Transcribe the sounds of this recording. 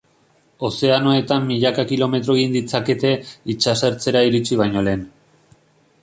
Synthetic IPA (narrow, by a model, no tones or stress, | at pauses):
o̞se̞ano̞e̞t̪amːiʎakakilo̞me̞t̪ɾo̞ind̪it͡sake̞t̪e̞it͡ʃase̞ɾt͡se̞ɾaiɾit͡siβ̞ajɲo̞le̞ːn